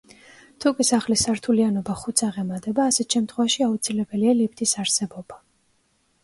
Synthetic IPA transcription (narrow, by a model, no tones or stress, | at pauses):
t̪ʰukʼisaχlisaɾt̪ʰulianɔbaχut̪sʰaʁɛmad̪ʼɛbaːsɛt̪ʃɛmt̪ʰχwɛvaʃiaut̪sʰilɛbɛlialip̚ʰt̪ʼisaɾsɛbɔba